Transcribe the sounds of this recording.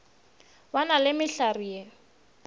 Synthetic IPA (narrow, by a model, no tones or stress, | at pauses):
wanalɪmɪɬarije